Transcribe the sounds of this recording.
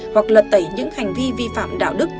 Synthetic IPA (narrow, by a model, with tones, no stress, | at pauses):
hwa˨˩k̚lə˨˩t̚t̪ə˧˩jɲɨ̰˧˥ŋha˨˩jŋ̟vi˧vi˧fa̰ː˧˨mɗa̰ː˧˨wɗɨ˦˥k̚